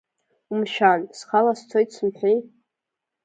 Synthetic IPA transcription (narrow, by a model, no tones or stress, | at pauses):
umʃᶣansχalast͡sʰojtʰsɨmħʷᶣij